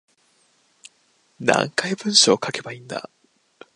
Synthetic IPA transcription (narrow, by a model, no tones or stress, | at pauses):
nã̰ŋkaibɯ̟̃ɰ̃ɕo̞ːkʰake̞baĩnd̪a̰